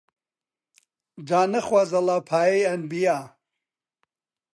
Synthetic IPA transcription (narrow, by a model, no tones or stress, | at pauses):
d͡ʒaːnəχwazɐlapʰaːjejɐnbija